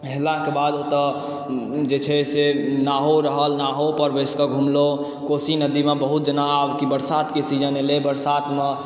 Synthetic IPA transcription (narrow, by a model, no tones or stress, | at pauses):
ɦelãkebad̪ot̪ə | d͡ʒet͡ʃʰɛsenaɦoɾəɦəlnaɦopəɾbeskəɡʱumlo | kosinəd̪imebəɦut̪̚d͡ʒənaabkibəɾsat̪kesid͡ʒənelebəɾsat̪mẽ